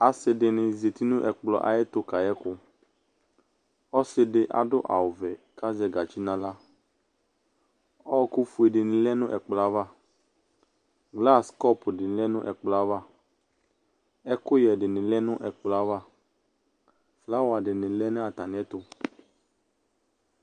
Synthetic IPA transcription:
a˨sɪ˨dɪ˨nɪ̃˨ze˨t̪i˦nʊ̃˦ʔɛ˨k͡plɔ˨ʔa̰˨jɛ˦t̪ʊ˦ka˨jɛ˦kʊ˦ | ɔ˦sɪ˦ɖɪ˦ʔa̰˨dʊ˦ʔa̰˨ʊ˨vɛ˨ka˦zɛ˨ɡa˨t͡ʃi˦nã˨la˦ | ɔ˦kʊ˦fu˨e˨ɖɪ˨nɪ̃˨lɛ˦nʊ̃˦ʔɛ˨k͡plɔ˨a˦va˦˨ | ɡla˦skɔ˦pdɪ˨nɪ˨lɛ˦nʊ̃˦ʔɛ˨k͡plɔ˨a˦va˦ | ɛ˦kʊ˦jɛ˨ɖɪ˨nɪ̃˨lɛ˦nʊ̃˦ʔɛ˨k͡plɔ˨a˦va˦ | fla˦wa˨ɖɪ˨nɪ̃˨lɛ˦ñ˦a˨t̪a˨nɪ̃˨˦ɛ˦t̪ʊ˦

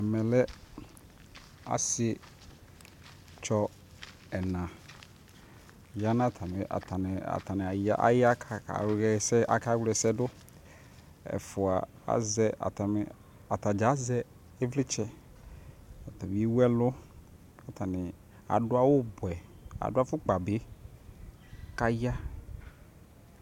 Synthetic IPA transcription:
ɛ˨mɛ̃˨lɛ˦ | a̰˨sɪ˦ | t͡ʃɔ˦ | ɛ˨nã˨ | ja˦nã˦˨tʰa˨mɪ˨ʔa̰˨tʰa˨nɪ˨a̰˨tʰa˨nɪ˨a˨a˦ʔa̰˨ja˦kʰa˨a̰˨˦ɛ˨sɛ˦ʔa̰˨ka˦wlɛ˨sɛ˦dʊ˦ | ɛ̰˨fʊ˨a˨ | a̰˨˦zɛ˦a̰˨ta˨m˨ | a˨t̪a˨d͡ʒa˨˦zɛ˦ | e˦vlɪ˦t͡ʃɛ˦ | a˨ta˨mi˦i˦wu˦ɛ˦lʊ˦ | a˨t̪a˨nɪ˨ | a̰˨dʊ˦a˦wʊ˦bʊ˨ɛ˨a̰˨dʊ˦a˦fʊ˦k͡pa˨bɪ˦ | ka˦ja˦

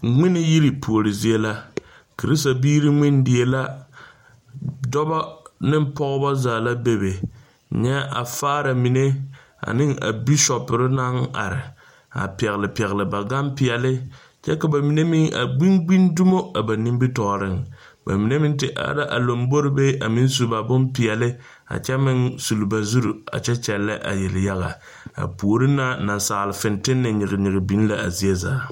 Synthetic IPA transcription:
ŋ͡mɪ˦nɪ˨ji˦ɾi˨pu˨o˨ɾɪ˨zi˦e˦la˦ | kɾi˦sta˨biː˦ɾi˦ŋɪ˦ndɪ˨e˦la˦ | dɔ˦bɔ˦nɪ˦m˦pɔ˦ɣɨ˦ba˦zaː˨la˦be˦be˨ | ɲɛ˦ʔa̰˨faː˦ɾa˨mi˨ne˦ | a̰˨nɪ˦ŋa̰˨bi˦ʃɔ˨pɪ˨ɾɪ˦na˦ŋa̰˨ɾɪ˨ | a̰˨pɛ˨ɣɪ˨lɪ˨pɛ˨ɣɪ˨lɪ˨ba˨ɡa˦mpɪ˨ɛ˨lɪ˦ | t͡ʃɛ˦ka˨ba˨mi˨ne˦mɪ˦ŋʔa̰˨ɡ͡bi˦nɡ͡bi˦ndu˦mo˦a˨ba˨ni˦m˦bi˦tɔ˨ɾɪ˦ŋ | ba̰˨mi˨ne˦mɪ˦n˦tɪ˨ʔa̰˦ɾa˦ʔa˨lo˨mbo˦ɾɪ˦be˦ʔa˨mɪ˦n˦su˨˦ba˨bʊ˦npi˨ɛ˨lɪ˦ | a̰˨t͡ʃɛ˦mɪ˦nsu˨lba˨zu˦ɾu˨a̰˨t͡ʃɛ˦t͡ʃɛ˨lːa̰˦ʔa̰˨jɛ˨lɪ˨ja˦ɣa̰˨ | a̰˨pu˨o˨ɾɪ˦na˦na˨nsa˨ʔlɪ˨fɪ˨ntɪ˦nːɨ˨ɲɪ˨ɣɪ˨ɲɪ˨ɣɪ˨bi˨˦n˦la˨a˨zi˦ɛ˦za̰ː˦

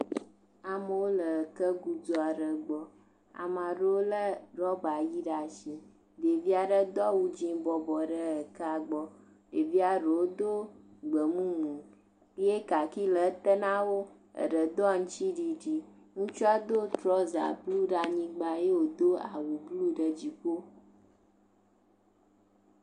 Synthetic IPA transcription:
a˨mə˨wo˦lə˨ə˨kə˦ɡu˦d͡zɔ˦a˨ɖə˨ɡ͡bɔ˦ | a̰˨mã˨ɖə˦wo˦lə˦ɖɔ˦ɡ͡ba˨ji˦ɖa˨ʃi˨ | be˨vi˦a˨ɖə˦d̪ɔ˦wu˦d͡ʑĩ˦bɔ˨bɔ˨ɖə˦ə˨kə˦a˨ɡ͡bɔ˦ | e˨vi˦a˨ɖə˨wo˦d̪o˦ɡ͡bə˨mũ˦ŋũ˨ | i˦e˦ka˨ki˦lə˨˦t̪ə˦nã˦wo˦ | ə̰˨ɖə˨d̪ɔ˦˨ŋũ˦t͡ʃi˦ɖi˨ɖi˨ | ŋũ˦t͡ʃu˦a˦d̪o˦t̪ɾɔ˦za̰˨blu˦ɖa˨ɲĩ˦ɡ͡ba˨je˦wo˨d̪o˦a̰˨wu˨blu˦ɖə˨d͡ʑi˨ko˦

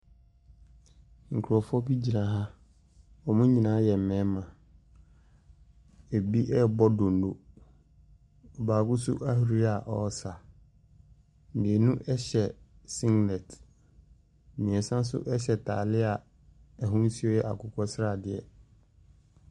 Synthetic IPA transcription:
ŋ̩˨kʰʊ˨ɾɔ˨fɔ˦bi˦d͡ʑi˨nã˨ɦa˦ | ɔ˨mũ˦ɲĩ˨nãː˨˦jɛ˨m̩˨mɛ̃˨˦mã˨ | e˨bi˦ʔɛ˦˨bɔ˦dõ˨n˨do̰˨ | ɔ˨baː˨kʊ˦sṵ˦ʔa˦hu˨ɾi˦a˨ʔɔ˦sa˨ | n̩˨dɪ˨e˨nũ˦ʔɛ˦ɕɛ˨ | sĩ˦ŋɡnɛ˨t | mĩ˨ɛ̃˨n˨sã˦n˦s̬ʊ̰˦ʔɛ˦ɕɛ˨tʰa̰ː˨lɪ˦a˨ | ɛ˨ɦʊ̃˦n̩˦si˦ɔ˦jɛ˦ʔa˨kʰʊ˨kʰɔ˦sɪ˦ɾa˦˨dɪ˨ɛ̰˨

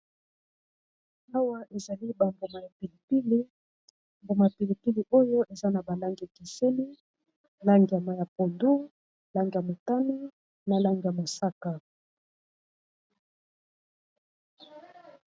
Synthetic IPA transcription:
a˦wa˦ʔe˨za˨li˦ba˨mbo˨ma˨ja˨pi˨li˨pi˦li˦ | mbo˨ma˨ja˨pi˨li˨pi˦li˨ʔo˦jo˦ʔe˨za˦na˨ba˨la˦ŋɡi˨a˨ki˨se˦ni˦ | la˦ŋɡi˨ja˨ma˨ja˨po˨ndu˦ | la˦ŋɡi˨ja˨mo˨ta˦ni˦ | na˨la˦ŋɡi˨ja˨mo˨sa˦ka˨

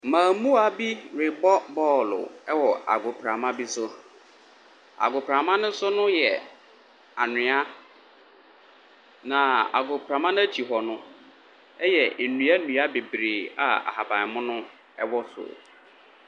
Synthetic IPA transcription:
mãː˨mũ˦a˨bi˦ɾɪ˨bɔ˦bɔː˦˨lʊ̰˨ɛ˦wɔ˨a̰˨ɡʊ˨pʰɾã˨mã˦bi˦sʊ˦ | a̰˨ɡʊ˨pʰɾã˨mã˦nʊ̃˦sʊ˦nʊ̃˦jɛ˨ | a˨nɪ̃˨˦a˦ | nã˨a̰˨ɡʊ˨pʰɾã˨mã˦n˦a˦t͡ɕʰi˨ɦɔ˨nʊ̃˦ | ɛ˦jɛ˨n̩˨nũ˨˦a˦nũ˨a˦be˨bɾeː˨a̰˨a̰˨ha˨ba˨mʊ̃˦nʊ̃˦ | ɛ˦wɔ˦sʊ̰˨

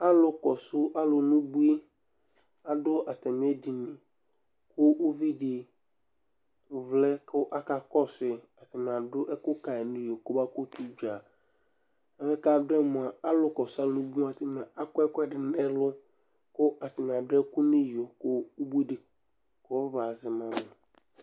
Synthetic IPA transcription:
a˦lʊ˦kɔ˨sʊ˦ʔa˦lʊ˨nũ˦bu˦i˦ | a˨dʊ˦ʔa˨t̪ɛ˨m˨˦ɛ˦di˨nĩ˨ | kʊ˦o˦vi˦dɪ˨ | vlɛ˦kʊ˦ʔa˦ka˨kɔ˦sɪ˨a˨t̪ɪ˨mɪ˨a˨dʊ˦ʔɛ˦kʊ˦ka˨ɛ˨nɪ̃˦jo˨kʊ˦ba˦ko˦t̪u˦d͡ʒa˨ | a˨mɛ˦ka˨dʊ˦ɛ˦mʊ̃˨a˨a˦lʊ˦kɔ˨sa˦nũ˦bu˦a˨tɪ˨mɪ˨a˨a˦kʊ˦ɛ˦kʊ˦ɛ˨dɪ˨n˦ɛ˦lʊ˦ | kʊ˦ʔa˨tɪ˨mɪ̃˨a˨dɛ˦kʊ˦nɪ̃˦jo˨kʊ˦bu˦i˦dɪ˨ | kɔ˦ba˨zɪ˨mã˨mɪ˨

